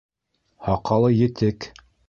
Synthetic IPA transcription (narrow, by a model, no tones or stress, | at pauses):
hɑqɑlˠɤjɘ̆t̪ɘk